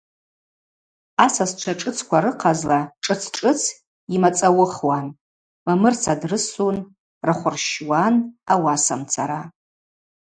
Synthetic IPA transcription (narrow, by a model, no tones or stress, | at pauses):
asasʈ͡ʂʷʰaʈ͡ʂʼɨt͡sʰkʷaɾɨqʰazlaʈ͡ʂʼɨt͡sʰʈ͡ʂʼɨt͡sʰ | imat͡sʼawʊχwan | mamɨrt͡sʰadrɨsun | raχʷʊrʃwanawasa̰mt͡sʰaɾa